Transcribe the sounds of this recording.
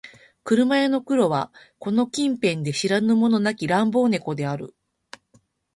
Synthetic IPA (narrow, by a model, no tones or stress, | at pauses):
kɯ̟ɾɯ̟maeno̞kɯ̟ɾo̞βa | ko̞no̞kʲĩmpẽ̞nd̪e̞ɕiɾanɯ̟mo̞no̞nakʲiɾãmbo̞ːne̞ko̞d̪e̞aɾɯ̟̰